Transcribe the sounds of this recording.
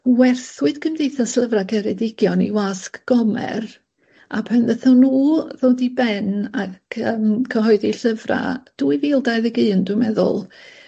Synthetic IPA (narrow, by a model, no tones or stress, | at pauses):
wɛrθwɨd̥kʰəmdejθasɬəvrakʰɛɾɛdɪɡjɔnḭwaskɡ̥ɔmɛ̰r | apʰɛnðəθɔnuːðoːdibɛnakʰəmkʰəɦɔɨðiɬəvra̰d̥uːiviːlˠdajðəɡɨːndʊmɛðʊ̰lˠ